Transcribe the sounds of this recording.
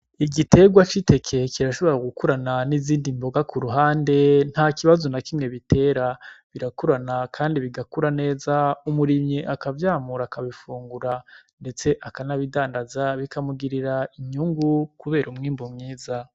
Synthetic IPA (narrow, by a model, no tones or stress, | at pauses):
iɡitʰe̞ɡwat͡ʃite̞kʰe̞kiɾaʃo̞βo̞ɾaɡukuɾananiziːndimbo̞ɡakuɾuɦaːnde̞n̥hakiβazonakimŋe̞βitʰe̞ːɾaβiɾakuɾanakʰaːndiβiɡakuɾane̞ːzaumuɾimɲiʔakavjaːmuɾakaβifuːŋɡuɾande̞t͡se̞ʔakanaβidaːndazaβikamuɡiɾiɾaiɲuŋɡukuβe̞ːɾumŋiːmbomŋiːza